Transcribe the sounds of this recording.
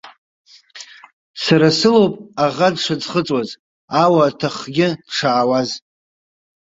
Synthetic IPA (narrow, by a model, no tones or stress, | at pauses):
saɾasɨlowpʼaʁadʂad͡zχət͡sʼwaz | awaːtʰaχɡʲɪdʈ͡ʂʰaːwaz